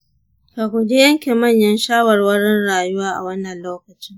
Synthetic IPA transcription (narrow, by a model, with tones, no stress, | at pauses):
ka˨kʷʊ˨d͡ʒe˦jɐ˦ŋkʲe˨mɐ˦˨ɲjɐ˦nʃaː˦wɐ˨rwɐ˦ɽɪ˦nɽaː˨ju˦waː˦ʔa̰˨wɐ˦nːɐ˨nloː˦kɐ˨t͡ʃɪ˦ŋ